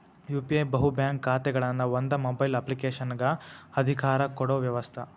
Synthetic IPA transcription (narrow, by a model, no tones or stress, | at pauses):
juːpiebɐɦubjaːŋkʰːaːt̪ɛɡɐɭɐnːɐʋond̪ɐmobɐjlɐplikeːʃɐnɡɐɐd̪ʱikaːɾɐkɔɽoːʋjɐʋɐst̪ʰɐ